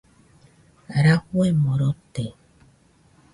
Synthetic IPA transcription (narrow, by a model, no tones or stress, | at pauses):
aɾakwemɔɾɔte